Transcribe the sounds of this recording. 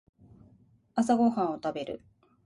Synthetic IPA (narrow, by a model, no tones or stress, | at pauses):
as̬aɡo̞hãɰ̃o̞t̪abe̞ɾɯ̟̰